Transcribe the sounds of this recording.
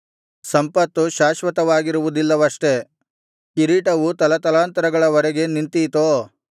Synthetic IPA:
sɐmpɐt̪ːuʃaːʃʋɐt̪ɐʋaːɡiɾuʋud̪ilːɐʋɐʂʈe̞ | kiɾiːʈɐʋut̪ɐlɐt̪ɐlaːnt̪ɐɾɐɡɐɭɐʋɐɾɛɡe̞nint̪ijt̪oː

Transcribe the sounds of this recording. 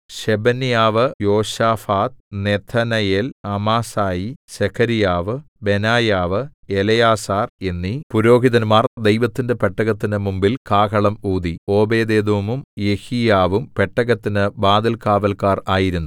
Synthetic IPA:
ɕebɐnijaːʋɨjo̞ːɕaːfaːt̪̚net̪ʰɐnɐjelɐmaːsaːjiɕekʰɐɾijaːʋɨ | be̞naːjaːʋɨelɐjaːsaːre̞nːipuɾo̞ːɡʱiðɐnmaːrd̪e̞jʋɐt̪ːinde̞peʈːɐɣɐt̪ːinɨmumbilkaːkɐɭɐmuːd̪io̞ːbe̞ːd̪eːd̪umumje̞hijaːʋumpe̞ʈːɐɣɐt̪ːinɨbaːd̪ɐlkaːʋɐlkaːraːjiɾunːu

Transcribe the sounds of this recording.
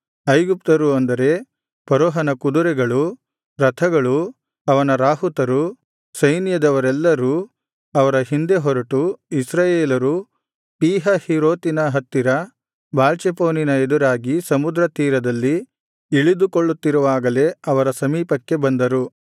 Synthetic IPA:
ɐjɡup̚t̪ɐɾuɐnd̪ɐɾe̞ | pɐɾoːɦɐnɐkud̪uɾɛɡɐɭu | ɾɐt̪ʰɐɡɐɭu | ɐʋɐnɐɾaːɦut̪ɐɾu | sɐjnjɐd̪ɐʋɐɾɛlːɐɾu | ɐʋɐɾɐɦind̪e̞ɦɔɾɐʈuisɾaːjeːlɐɾu | piːɦɐhiɾoːt̪inɐɦɐt̪ːiɾɐ | baːlt͡ʃepoːninɐed̪uɾaːɡisɐmud̪ɾɐt̪iːɾɐd̪ɐlːi | iɭid̪ukoɭːut̪ːiɾuʋaːɡɐle̞ɐʋɐɾɐsɐmiːpɐkːe̞bɐnd̪ɐɾu

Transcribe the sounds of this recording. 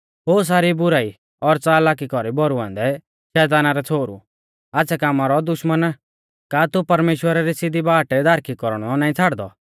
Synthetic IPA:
ɦoːs̬aːɾibʊɾaːi | ɔɾt͡saːlaːk̬ikɔɾibɔɾuãːnd̪ɛ | ʃɛːt̪̬aːnaɾɛt͡sʰoːɾṵ | aːsʰɛkaːmaɾɔd̪ʊʃmən | kaːt̪upɐɾmeːʃwəɾaɾisɪd̪ibaːʈɛd̪aːɾkʰikɔɾɽ̃ɔnaːĩt͡sʰaːɽd̪ɔ

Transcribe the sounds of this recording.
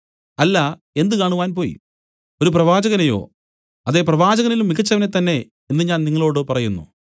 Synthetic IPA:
ɐlːɐ | e̞nd̪ɨkaːɳuʋaːnpo̞ːjḭ | o̞ɾup̬rɐʋaːd͡ʑɐɣɐnɐjo̞̰ː | ɐðe̞prɐʋaːd͡ʑɐɣɐnilumːikɐt͡ɕːɐʋɐnet̪ːɐnːe̞ | enːɨɲaːnniŋːɐɭo̞ːɽɨpɐrɐjunːṵ

